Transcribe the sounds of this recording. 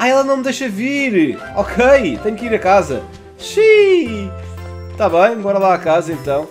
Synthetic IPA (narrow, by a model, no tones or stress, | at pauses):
aɛlˠɐnɐ̃w̃md̪ejʃɐviɾ | ɔkʰejt̪ẽɲukiɾɐkazɐ̰ | ʃi | t̪aβɐ̃j̃bɔɾɐlˠaakazɐẽnt̪ɐ̃w̃